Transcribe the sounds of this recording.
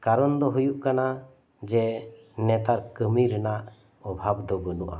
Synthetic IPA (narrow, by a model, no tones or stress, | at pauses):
kaɾɔnd̪ɔɦujuʔkana | d͡ʒɛ | nɛt̪aɾkəmiɾɛnaʔ | ɔbʱabd̪ɔɡɔnuʔa̰